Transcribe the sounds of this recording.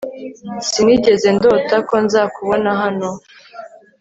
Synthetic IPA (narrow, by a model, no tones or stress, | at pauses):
siniɟe̞ze̞ndo̞tako̞nzakuβo̞naɦano